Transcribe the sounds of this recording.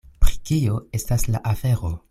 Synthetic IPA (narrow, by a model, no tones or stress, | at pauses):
pɾikio̞e̞staslaʔafe̞ɾo̞